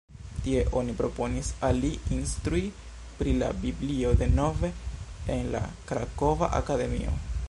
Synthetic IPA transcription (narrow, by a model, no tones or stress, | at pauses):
tie̞ʔo̞nipɾo̞po̞nisaliinst̪ɾui | pɾila̰biblio̞d̪e̞no̞ve̞ːnla̰kɾako̞va̰ʔa̰kade̞mḭo̞̰